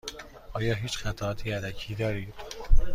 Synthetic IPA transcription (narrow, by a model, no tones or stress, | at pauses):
ʔɒːjɒːɦiːt͡ʃxæt̪ʰæɒːt̪ʰiːælæcʰiːd̪ɒːɾiːd̪̥